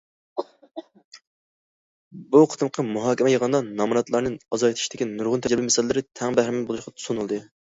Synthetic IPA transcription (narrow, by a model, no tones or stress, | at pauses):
buqʰə̥t̪ɨmqʰɑmuɦɑːkʲɛmɛjəʁɑnd̪ɑnɑmɨɾɑt̪lˠɑɾnɨɑzɑjet̪ʰiʃid̪̥ɪkʲinuɾʁʊnt̪ʰɛd͡ʒɛɾɪbimɛsɪlɪːɪɾɪt̪ʰɛŋbæhɾɪmnbolˠuʃqɑt̪ʰu̥sunulˠd̪ɨ